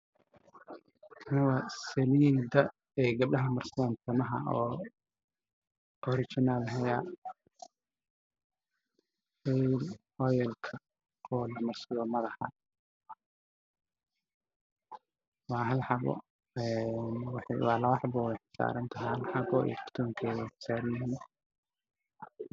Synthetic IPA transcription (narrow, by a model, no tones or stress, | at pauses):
ɐnɪwɐsɛmid̪ɐ | ɛːɡɐb̚ɗɐɦɐmɐrslɔnt̪ʰɐmɐɦɐ̰ɔː | ɔɾɪt͡ʃɪnalɦɛja | ɛl | ɔjɛlkʰɐ | ɔːlɐmɐrsɐlɔmɐðɐħɑ̰ | wɑːɦɐlħɑβɔ̰ | ɛnwɑħwɑːlɐwɑħbɔwɛjħɪ̥sa̰ːɾɐnt̪ʰɐɦhɐlħɑβɔḭkʰɪ̥rt̪ʰuːŋkʰɛːwɛjħɪ̥saːɾɐnɦɪn